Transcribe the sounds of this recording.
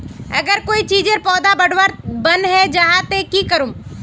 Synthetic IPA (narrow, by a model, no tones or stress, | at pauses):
ɐɡəɾkoːit͡ʃiːd͡ʒeɾpɔːd̪abɐɽwəɾbɐnɦɛd͡ʒaɦat̪ekikəɾũm